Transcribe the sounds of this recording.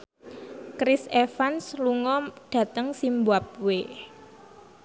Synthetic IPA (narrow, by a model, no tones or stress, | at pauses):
kɾɪsefansluŋɔɖ̥ä̤t̪əŋsimbuap̚we